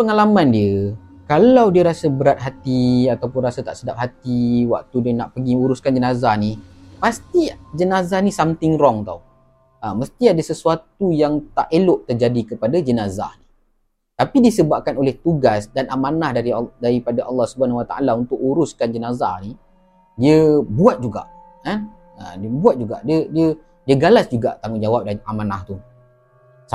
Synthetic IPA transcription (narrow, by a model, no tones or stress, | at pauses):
pəŋalamãndiə | kalawdiəɾasəbəɾat̪̚ɦat̪iat̪awpʊnrasat̪a̰ʔsədap̚ɦat̪iwa̰k̚t̪udinaʔpəɡiuɾuskand͡ʒənazahnipast̪id͡ʒənazahnĩsamt̪ɪŋɾɔŋt̪a̰u | aməst̪iadasəsuat̪̚ujaŋt̪aʔelʊʔt̪ərd͡ʒadikəpadad͡ʒənaza̰hni | t̪apidisəbap̚kanolɛht̪uɡasdanʔamanahdaɾidaɾipadaʔɑlːɑhsubəanwat̪aʔa̰launt̪ʊʔuɾʊskand͡ʒənaza̰hni | diəbuat̪̚d͡ʒuɡa̰ʔ | kan | ədəbuat̪̚d͡ʒuɡa̰ʔdiədiə | diəɡalasd͡ʒuɡa̰ʔt̪aŋʊnd͡ʒawap̚daamana̰ht̪u | s